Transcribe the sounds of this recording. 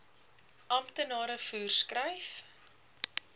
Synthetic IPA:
ʔɐmtənɑːɾəfuːrskrəjf

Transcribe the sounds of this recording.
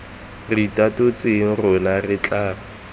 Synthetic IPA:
ritʼatʊt͡sʼɪŋ̩rʊnarɪt͡ɬʼaːlɔ

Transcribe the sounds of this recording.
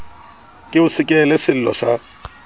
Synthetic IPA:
kʼɪʊsɪkʼɛlɛsɪl̩lɔ̰sa

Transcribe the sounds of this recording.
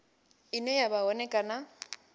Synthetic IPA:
inɛjabaɔnɛkʼana

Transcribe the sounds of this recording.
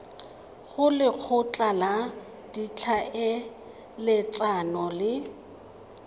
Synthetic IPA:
ɣʊlɪk͡xʰʊt͡ɬʼala | d̥it͡ɬʰaɪ | lɪt͡sʼanɔlɪ

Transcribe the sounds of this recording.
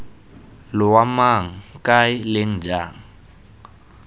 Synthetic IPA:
lɪwamaŋ̩kʼaɪlen̩d͡ʒaːŋ̩

